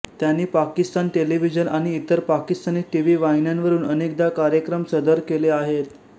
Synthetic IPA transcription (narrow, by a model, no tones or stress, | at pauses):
t̪janːiːpakist̪anʈeliʋ̤id͡ʑənʔaɽ̃iːt̪əɾpakist̪aniːʈiʋiːʋainjanʋəɾuːnənek̚d̪akaɾjəkɾəmsəd̪əɾkeleaɦet̪